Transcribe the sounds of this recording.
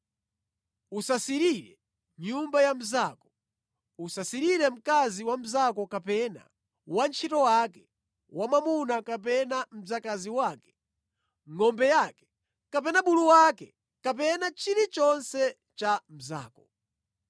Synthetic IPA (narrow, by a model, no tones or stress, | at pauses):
usasiɾiɾɛ̰ | ɲumbajam̩zaːkɔ̥ | usasiɾiɾɛm̩kaziwam̩zakɔkapɛna̰ | want͡ʃʰitɔwakɛ | wamamunakap̬ɛnam̩zakaziwaːkɛ̥ | ŋɔmbɛjakɛ̥ | kapɛnaɓuluwakɛ | kapɛnat͡ʃiɾit͡ʃɔnsɛ | t͡ʃam̩za̰ːkɔ